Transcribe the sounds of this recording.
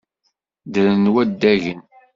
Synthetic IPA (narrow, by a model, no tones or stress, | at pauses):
d̪əɾənwæd̪ːæʝən